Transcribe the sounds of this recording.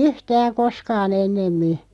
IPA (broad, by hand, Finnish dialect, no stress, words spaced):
yhtæːŋ̆ koskɑːn̞ enːemːi